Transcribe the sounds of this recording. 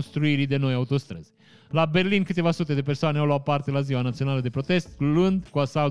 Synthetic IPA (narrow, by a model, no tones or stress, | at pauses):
nst̪ɾuiɾid̪e̞no̞jaut̪o̞st̪ɾə̰z̥ | labe̞rlinkɨt̪e̞vasut̪e̞d̪e̞persoaneawloat̪̚part̪e̞laziwanat̪sio̞naləd̪e̞pɾo̞t̪e̞st̪luɨnd̪kuasal